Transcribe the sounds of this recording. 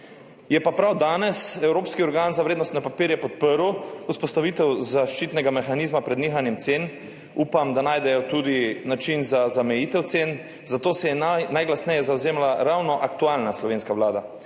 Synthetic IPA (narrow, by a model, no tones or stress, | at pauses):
jɛpapɾawd̪aːnɛsɛwɾoːpskiɔɾɡaːnzaʋɾeːd̪nɔst̪nɛpapiːɾjɛpɔt̪̚pəɾuuspɔst̪aʋiːt̪ɛwzaʃt͡ʃit̪nɛɡamɛxaniːzmapɾɛd̪niːxanjɛmt̪seːn | uːpamd̪anaːjd̪ɛjɔt̪uːd̪inat͡ʃinzazamɛjiːt̪ɛwt̪sen | zat̪oːsɛjɛnajɡlast̪nɛjɛzawzeːmlaɾawnɔʔakt̪uaːlnaslɔʋeːnskaʋlaːd̪a